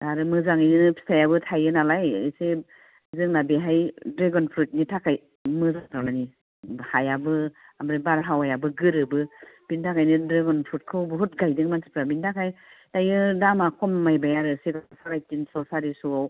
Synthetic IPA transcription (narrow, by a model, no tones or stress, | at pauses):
aɾɯmɯzaŋɯjnɯnɯpʰi̥sʰajabɯtʰajɯnalajɯse | zɯŋnabeɦajdɾeɡɔnpʰɾut̚nitʰakaj | mɯzaŋtʰawnani | hajabɯamɾɯbaɾɦawajabɯɡɯɾɯbɯpintʰakʰajnɯdɾeɡɔnpʰɾut̚kʰɯwbɯɦut̚ɡajdɯŋmansi̥pɾabintʰakʰaj | tajɯdamakʰɔmːajbajaɾɯseɡasʰakajkinsasaɾisuaw